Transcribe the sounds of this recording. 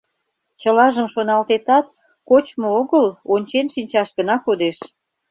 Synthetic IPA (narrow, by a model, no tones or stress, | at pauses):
t͡ɕəlɑʒəmʃonɑlt̪et̪ɑt̪̚ | kot͡ɕmooɣəlonʲt͡ɕenʃinʲt͡ɕɑʃɡənɑkod̪eʃ